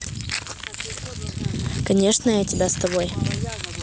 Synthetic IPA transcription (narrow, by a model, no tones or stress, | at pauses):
kɐnʲeʂnəjatʲɪbʲast̪ɐboj